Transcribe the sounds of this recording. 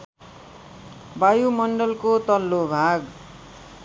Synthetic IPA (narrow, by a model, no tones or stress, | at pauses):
bajumʌɳɖʌlkot̪ʌlːobʱaɡ